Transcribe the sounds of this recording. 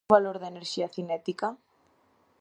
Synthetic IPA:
βaloɾðeneɾʃiaθinɛt̪ika

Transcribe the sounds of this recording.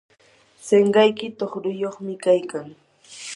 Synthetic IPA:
seɴɢɑjkɪt̪oχɾʊjoχmɪkajkaŋ

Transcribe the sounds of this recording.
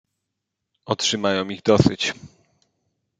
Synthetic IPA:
ɔtʂɘmajɔ̃w̃iɣd̪ɔsɘt͡ɕ

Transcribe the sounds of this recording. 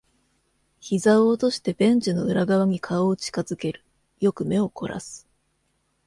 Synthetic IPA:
çizaoːt̪o̞ɕi̥t̪e̞bẽ̞ɲ̟d͡ʑɨno̞ɯ̟ɾaɡaβaɲ̟ikʰaoːt͡ɕi̥kazɨke̞ɾɯ̟ | jo̞kɯ̟me̞o̞kʰo̞ɾʔa̰sɨ̥

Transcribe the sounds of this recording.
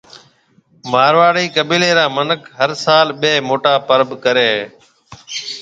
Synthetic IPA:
maːɾʋaːɽiːkəbiːleːɾãːmənəkʰɦəɾsaːlɓeːmoːʈaːpəɾəbkəɾeː

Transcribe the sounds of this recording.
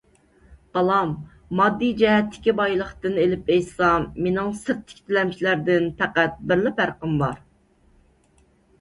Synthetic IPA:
bɑlˠɑmː | ɑd̪ːid͡ʒɛɦɛt̪ʰːɪ̥kʲibɑjlˠəχt̪ɨnelɪpejsɑmenɪŋsɨɾt̪ʰːɪ̥kʲt̪ʰɪlɛmt͡ʃʰilæɾd̪ɪnpæqæt̪̚bɪɾlɪphæɾqəmbɑɾ

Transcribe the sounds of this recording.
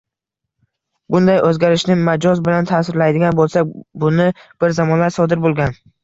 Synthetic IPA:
bʊnd̪ajʔɵzɡʲaɾɪʃnɪmad͡ʒɒzbɪlant̪ʰaːsɪɾlajd̪ɪɡʲanbolˠsak̚ʲbʊnɪb̥ɪɾzamɒnlaɾsɒd̪ɪɾbolˠɡʲan

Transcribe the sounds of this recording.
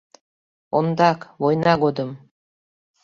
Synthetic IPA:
ond̪ɑkβojnɑɡod̪ə̆m

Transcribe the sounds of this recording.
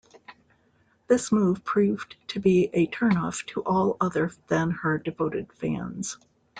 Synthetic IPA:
ðɪsmuv̥pʰɹ̥ʉv̥tʰɨbiʔɨtʰɜ̃˞nɔftʰəʔɔlˠʌðə˞ðɨ̃nə˞dɨvoʊɾɨd̥fæ̰̃nz̥

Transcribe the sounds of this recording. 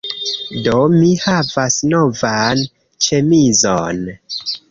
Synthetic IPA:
do̞mihavasno̞van | t͡ʃe̞mizon

